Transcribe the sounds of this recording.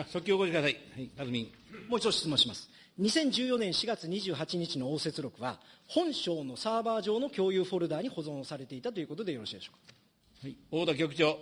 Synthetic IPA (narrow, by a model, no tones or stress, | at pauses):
asokʲːiokoɕikɯd̪asaiaiazɨmʲĩ | moːit͡ɕot̪ːɕi̥t͡sɨmõɕimasɨ̥ | ɲ̟isẽ̞ɲ̟d͡ʑɨːjo̞nẽ̞ɰ̃ɕiɡat͡sɨɲ̟iʑɨːɦat͡ɕiɲ̟it͡ɕino̞oːse̞t͡sɨɾo̞kɯ̟βa̰hõ̞ɰ̃ɕo̞ːno̞saːbaːʑo̞ːno̞kʲo̞ːjɯːɸo̞ɾɯ̟d̪aːɲ̟iho̞zõ̞ɰ̃saɾe̞t̪e̞it̪at̪o̞jɯ̟ko̞t̪o̞d̪e̞jo̞ɾo̞ɕiːd̪e̞ɕo̥ːkḁ | haioːd̪ok̬ʲokɯ̥t͡ɕoː